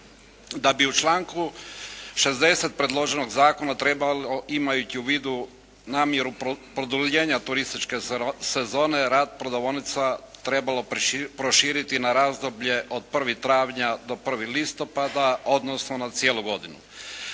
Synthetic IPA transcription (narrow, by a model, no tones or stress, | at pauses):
d̪abiut͡ʃlˠaːŋku | ʃe̞zd̪e̞se̞t̪̚pɾe̞d̪lˠo̞ʒe̞no̞ɡzaːko̞nat̪ɾebaloimajut͡ɕiuʋiːd̪u | naːmje̞ɾupɾod̪uʎe̞ːɲat̪uɾist̪it͡ʃke̞se̞zo̞ːne̞ɾaːd̪̚pɾod̪oʋonit̪sat̪ɾe̞balo̞pɾo̞ʃiːɾit̪inaɾaːzd̪o̞bʎe̞ʔo̞d̪̚pr̩ʋit̪ɾaːʋɲad̪o̞pr̩ʋilist̪o̞pad̪aod̪nosno̞nat̪sijeːlˠuɡo̞d̪inṵ